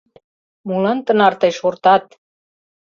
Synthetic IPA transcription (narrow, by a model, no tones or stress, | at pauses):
mulənt̪ə̆nɑrt̪ɤjʃort̪ɑt̪̚